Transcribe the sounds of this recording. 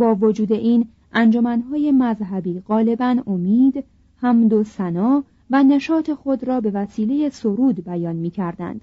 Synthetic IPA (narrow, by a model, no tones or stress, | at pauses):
bɒːvod͡ʒuːd̪e̞ʔiːn | ʔænd͡ʒo̞mænɦɒːjemæzɦæbiːɣɒːle̞bænomiːd̪ | hæmd̪osænɒː | væne̞ʃɒːt̪ʰe̞xo̞d̪ɾɒːbe̞væsiːle̞je̞soɾuːd̪bæjɒːnmiːcʰæɾd̪æ̰nd̪̥